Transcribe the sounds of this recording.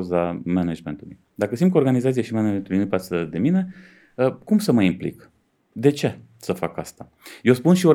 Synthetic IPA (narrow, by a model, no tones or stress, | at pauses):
uzamenad͡ʒment̪uluj | d̪akəsint̪koɾɡanizat̪sijeʃimened͡ʒment̪ulujnupasəd̪e̞mine̞ | əkumsəməimplḭk | d̪e̞t͡ʃe̞ | səfakast̪a | jewspunʃio